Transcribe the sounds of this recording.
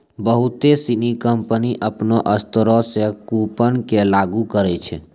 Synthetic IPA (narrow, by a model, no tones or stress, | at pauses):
bəɦut̪esinikəmpəniʔəpnoʔəst̪əɾɔsekupənkelaɡukəɾɛt͡ʃʰɛ̰